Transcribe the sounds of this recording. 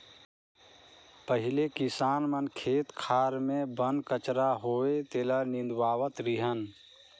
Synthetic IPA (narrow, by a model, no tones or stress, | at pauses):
pəɦɪlekisaːnmənkʰeːt̪kʰaːɾmẽbənkət͡ʃɾaɦoːet̪eːlanĩnd̪waːwət̪ɾiɦən